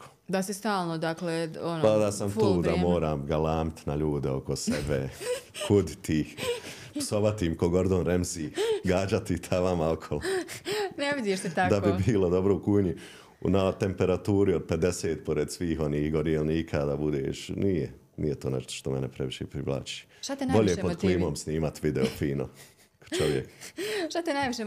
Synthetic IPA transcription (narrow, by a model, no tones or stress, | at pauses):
o̥ | d̪asist̪aːlˠnod̪akleonpaond̪aːsamuːd̪amoːɾaːmɡalaːmit̪naʎuːd̪eo̞ko̞sebehud̪it̪ʰi | psoʋat̪iːmkoɡo̞ɾd̪onɾemziːɡaːd͡ʒat̪it̪ʰaʋamaokʰol | neʋid̪jeʃt̪et̪akd̪abibiːlod̪o̞bɾoukuːjɲi | nat̪e̞mpeɾat̪uːɾiod̪̚pe̞d̪eseːt̪poɾed̪sʋiːɦo̞niːhɡoɾielniːkʰaːd̪abud̪eːʃniːjɛ | nḭjet̪oːnḛʃt̪o̥ʃt̪omɛnepɾeʋiʃeːpɾiʋlˠa̰ːt͡ʃi̥ːt̪at̪enboʎepo̥kliːmo̞ːmsniːmat̪ʋid̪eofiːno̰̥ | t͡ʃoʋjekʃt̪at̪enajʋiʃe